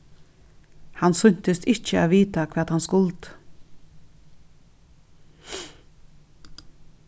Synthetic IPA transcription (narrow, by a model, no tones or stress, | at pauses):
hansʏɲ̥t̪ɪst̪ɪht͡ʃəaʋiːt̪akʰvɛːt̪hanskʊlt̪